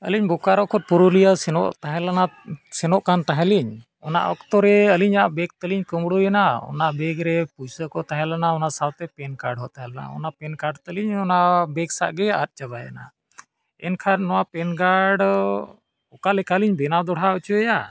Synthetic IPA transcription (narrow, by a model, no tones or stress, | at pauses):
əliɲbukaɾɔkʰɔt̪̚puɾulijasɛnɔ̰ʔt̪aɦɛ̃lanasɛnɔʔkant̪aɦɛ̃liɲ | ɔna̰ʔɔ̰kt̪ɔɾɛəliɲaʔbɛk̚t̪əliɲkəmɽujɛnaɔ̰naʔbɛɡɾɛpujsəkɔt̪aɦɛ̃lanaɔnasawt̪ɛpɛnkaɾɖɦɔt̪aɦɛlana̰ɔ̰napɛnkaɖt̪əliɲɔnaʔbɛɡsa̰ʔɡɛa̰ɾ̚ˀt͡ʃabaja̰na̰ | ɛ̰nkʰaɾnɔwapɛnɡaɖ | ɔkalɛkaliɲbɛnad̪ɔɽ̤aɔt͡ʃuɛja